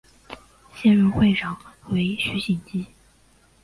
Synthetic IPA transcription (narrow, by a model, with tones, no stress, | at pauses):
ɕjɛ˥˧nɻə˥˧nxwe˥˩ɪʈ͡ʂʰɑ˨˩ŋwe˧˥ɪɕy˧˥ɕi˨˩nt͡ɕi˥